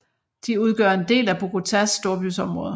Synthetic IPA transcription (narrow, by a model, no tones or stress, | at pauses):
d̥iuð̞ˠɡ̥ɶ̰ɐe̝nd̥e̝̰ːlæb̥o̝kʰo̝t͡sʰæsːd̥o̝ɐb̥ysɒ̽mʁɔ̽ːðˠ